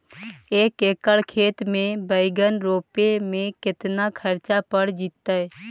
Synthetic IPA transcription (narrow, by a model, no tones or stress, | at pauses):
eːkeːkəɭkʰeːt̪mẽbəɪɡənɾoːpemẽkɪt̪nakʰəɾt͡ʃapəɽd͡ʒit̪ːə